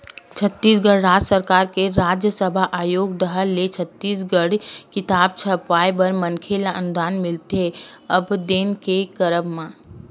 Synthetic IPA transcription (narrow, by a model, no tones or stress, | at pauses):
t͡ʃʰət̪ːiːsɡəɽɾaːd͡ʒsəɾkaːɾkeɾaːd͡ʒjəsəbʱaʔaːjoːɡd̪əɦəlːet͡ʃʰət̪ːiːsɡəɽkɪt̪aːb̚t͡ʃʰəpaːebəɾmənkʰelaʔənʊd̪aːnmɪlt̪eəbd̪eːnkekəɾəbmã